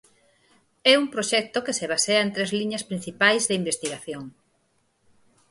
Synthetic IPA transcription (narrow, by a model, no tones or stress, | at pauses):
ɛuŋpɾoʃɛk̚t̪okeseβ̞aseɐẽnt̪ɾezliɲɐspɾĩn̟θipajzðeimbest̪iɣaθjoŋ